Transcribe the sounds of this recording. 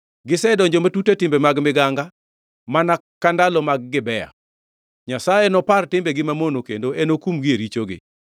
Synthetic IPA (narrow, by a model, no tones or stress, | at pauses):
ɡɪsɛdɔɲd͡ʒomatutetɪmbemaɡmɪɡaŋɡa | manakːandalɔmaɡ̚ːɪbɛja̰ | ɲasajenɔpartɪmbeɡɪmamonokḛndoenokumɡɪeɾit͡ʃoɡɪ̰